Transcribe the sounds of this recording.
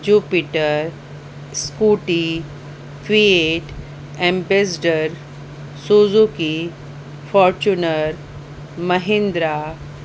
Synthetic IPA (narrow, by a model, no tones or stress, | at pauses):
d͡ʒuːpiʈəɾ | skuʈi | kʋieʈ | ẽmbes̬ɖəɾ | soːzuki | fɔːɾt͡ʃunəɾ | məɦẽnd̪ɾa